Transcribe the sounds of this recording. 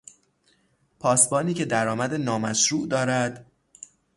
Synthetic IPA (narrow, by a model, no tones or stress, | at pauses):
pʰɒːsbɒːniːcʰe̞d̪æɾɒːmæd̪enɒːmæʃɾuːʔd̪ɒːɾæd̪̥